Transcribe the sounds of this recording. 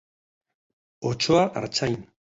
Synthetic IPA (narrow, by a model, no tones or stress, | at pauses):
ot͡ʃoaʔa̰ɾt͡sajn